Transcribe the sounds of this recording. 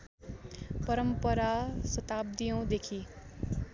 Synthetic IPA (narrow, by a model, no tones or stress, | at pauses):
pʌɾʌmpʌɾasʌt̪ab̚d̪ijʌ̃w̃d̪ekʰi